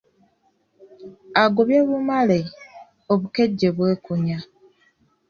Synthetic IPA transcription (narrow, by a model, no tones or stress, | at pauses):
aɡoβjeβumale | oβukeɟːeβweːkuɲa